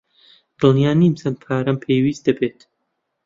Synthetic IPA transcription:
d̪̥ɨlnjaːniːmsɐn̚pʰaːɾɐmpʰeːjwiːsd̪ɐbeːt̪

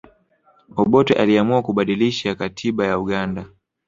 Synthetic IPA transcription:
ɔɓɔtɛʔaliamuakuɓaɗiliʃakatʰiɓajauɠanda

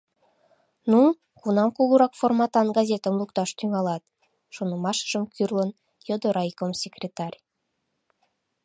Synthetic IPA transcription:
nu | kunɑmkuluɾɑkformɑt̪ɑnɡɑzʲet̪əmlukt̪ɑʃt̪yŋɑlɑt̪ | ʃonəmɑʃə̥ʒ̥əmkʰyrlən | jod̪oɾɑjkomsʲekrʲet̪ɑrʲ

